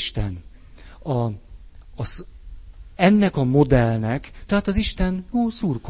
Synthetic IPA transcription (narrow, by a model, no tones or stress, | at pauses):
ʃt̪ɛn | ɒː | s | ɛnːɛkɒmo̞d̪ɛlnɛkt̪ɛɦaːt̪ɒziʃt̪ɛnjoːsuːrk